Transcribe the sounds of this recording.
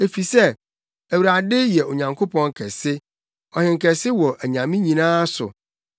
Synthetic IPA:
e˨fi˨sɛ˦ | æ˨wu˨ɾa˨dɪ˦jɛ˨o˨ɲã˨ŋkʰo˦pʰɔ̃˦ŋ˦kʰɛ̰˨sɪ˦ | ɔ˨hɪ̃˨ŋ̩˨kʰɛ˨sɪ˦wɔ˨ʔæ˨ɲã˨mĩ˦ɲĩ˨nãː˦sʊ̰˨

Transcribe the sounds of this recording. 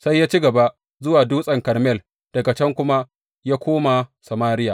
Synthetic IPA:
sa˦jːaː˦t͡ʃi˦ɡɐ˨ba˦ʔ | zʊ˦waː˨duː˦sʼɐ˨ŋkɐ˨rmɛ˦˨l | d̥ɐ˨ɡa˨t͡ʃɛ˦ŋkʷʊ˦ma˦ | jaː˦kʷoː˦ma˨sa˨maː˦ɾɪ˦ja˨

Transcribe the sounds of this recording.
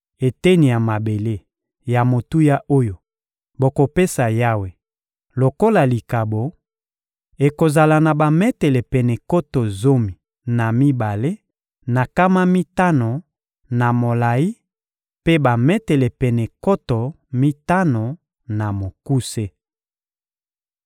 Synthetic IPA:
e˨te˦ni˨ja˨ma˨be˨le˦ | ja˨mo˨tu˦ja˦ʔo˦jo˨ | bo˨ko˨pe˦sa˨ja˦we˨ | lo˨ko˦la˨li˨ka˨bo˨ | e˨ko˨za˨la˨na˨ba˨mɛ˦tɛ˨lɛ˨pɛ˨nɛ˨ko˦to˨zo˦mi˨ | na˨mi˦ba˨le˦ | na˨ka˦ma˦mi˦ta˦no˨ | na˨mo˨la˨i˦ | pe˦ba˨mɛ˦tɛ˨lɛ˨pɛ˨nɛ˨ko˦to˨ | mi˦ta˦no˨ | na˨mo˨ku˦se˦

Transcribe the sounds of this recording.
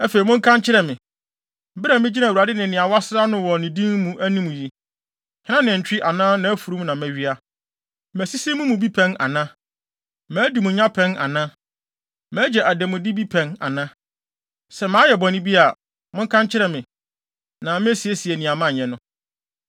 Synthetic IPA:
ɛ˦fe˨i˨mʊ̃˦ŋ̩˦kʰã˦ɲt͡ɕʰɪ˦ɾɛ˨mɪ̃˨˦ | bɪ˦ɾɛ˨mɪ̃˦d͡ʑi˦na˨wa˨dɪ˦nɪ̃˨nɪ̃˨a˨wa˦sɾa˦nʊ̃˦wɔ˨nɪ̃˨dĩ˦nmũ˦ʔæ˦nĩ˦mũ˨ji˦ | hɪ̃˦nã˦nɪ̃˨ɲ̩˨t͡ɕᶣɪ˦ʔa˨nãː˦nã˨æ˦fu˨ɾu˦m˦nã˨mæ˨ɥi˦a˦ | mæ˨si˦si˦mũ˦mũ˨bi˦pʰɛ̃˦na̰˨nã˦ | mæ̃ː˨˦di˨mʊ̃˨ɲã˦pʰɛ̃˦na̰˨nã˦ | mæ̃ː˨˦d͡ʑɛ˨ʔæ˨dɛ˨mʊ̃˨dɪ˦bi˦pʰɛ̃˨na̰˨nã˦ | sɛ˨mãː˨˦jɛ˨bɔ̃˨nɪ̃˦bi˦a˨ | mʊ̃˦ŋ̩˦kʰã˦ɲt͡ɕʰɪ˦ɾɛ˨mɪ̃˨ | nã˨mɪ̃˦æ˦si˨e˦si˨ɛ˨nĩ˨a˨mã˦˨ɛ̃˨nʊ̃˦

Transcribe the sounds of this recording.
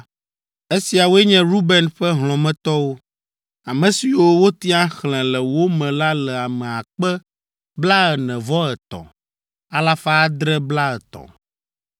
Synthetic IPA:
e˦si˨a˨wo˦ɛ˦ɲɛ̃˦ɾu˦bɛ˨nɸɛ˦ɦlɔ̃˨mɛ̃˦t̪ɔ˦wo˦ | a˨mɛ̃˨si˨wo˦wo˦t̪i˦a˦xlɛ̃˨lɛ˨wo˦mɛ̃˨la˦lɛ˨a˨mɛ̃˨a˨k͡pɛ˦ | bla˦ɛ˨nɛ̃˨vɔ˦ɛ˨t̪ɔ̰̃˨ | a˨la˦fa˦a˦d̪ɾɛ˦bla˦ɛ˨t̪ɔ̰̃˨

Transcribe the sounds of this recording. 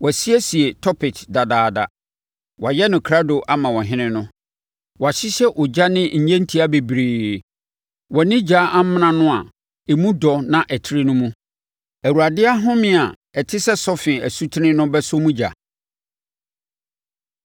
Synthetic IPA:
wɔ˨si˦ɛ˦si˨e˨tʰɔ˦pʰɪ˨tʰda˨daː˨da˨ | wʔa˨jɛ˦nʊ̃˨kʰɾa˦do˨ʔa˦mã˨wɔ̃˨ɦɪ̃˦nɪ̃˦nʊ̃˦ | wɔ˨a˨ɕɪ˦ɕɛ˦ʔʊ˨d͡ʑa˦nɪ̃˦ɲ̩˨ɲɛ̃˦n̩˦tʰi˦a˦be˨bɾiː˨ | wɔ˨nɪ̃˦d͡ʑaː˦ʔa˦m˦m̃˦nã˨nʊ̃˦a˨ | e˨mũ˦dɔ˨nã˦˨ʔɛ˨tʰɪ˦ɾi˦nʊ̃˦mũ˦ | æ˨wu˨a˨dɪ˦a˦ɦʊ̃˦mɪ̃˦˨a˨ | ɛ˨tʰɪ˦sɛ˦sɔ˦fɪ̃˨æ˨su˦tʰɪ˦nɪ̃˦nʊ̃˦bɛ˦sʊ˦mũ˦d͡ʑa̰˨

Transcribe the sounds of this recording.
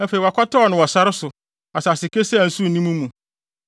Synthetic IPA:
ɛ˦fe˨i˨wa˨kʷʰɔ˦tʰɔ˦ɔ˨nʊ̃˨wɔ˨sa˦ɾɪ˦sʊ˨ | a˨sa˨sɪ˨kʰe˦sɛ˦˨n̩˦su˦˨nĩ˦mũ˦mːũ˨

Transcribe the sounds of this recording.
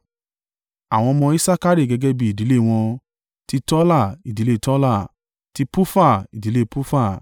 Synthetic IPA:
a˨w̃ɔ̃˧mɔ̃˧i˦sa˦ka˦ɾi˦˨ɡɛ˧ɡɛ˦bi˧˦i˨di˨˦le˦˨w̃ɔ̃˧ | ti˧˦tɔ˦la˦˨i˨di˨˦le˦˧tɔ˦la˦˨ | ti˧˦pu˦fa˦˨i˨di˨le˦˧pu˦fa˦˨

